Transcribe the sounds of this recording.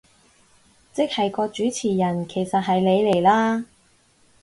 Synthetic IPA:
t͡sɪ˥k̚hɐ˨jkɔː˧t͡ʃyː˨˥t͡sʰiː˨˩jɐ˨˩nkʰe˨˩jsɐ˨t̚ɦɐ˨jle˨˧jle˨˩jlaː˥

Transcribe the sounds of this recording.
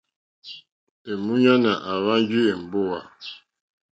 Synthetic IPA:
e˨mu˦ɲa˦na˨ʔa˨βa˦n˦d͡ʒi˦e˨m̩˨bo˦wa˨

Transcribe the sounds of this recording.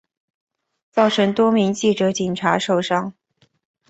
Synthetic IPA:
t͡sɑ˥˩ʊʈ͡ʂʰɤ˧˥ŋt̪wɔ˥mi˧˥ŋt͡ɕi˥˩ʈ͡ʂɤ˧˥t͡ɕi˨˩ŋʈ͡ʂʰa˧˥ʂo˥˩ʊʂɑ˥ŋ

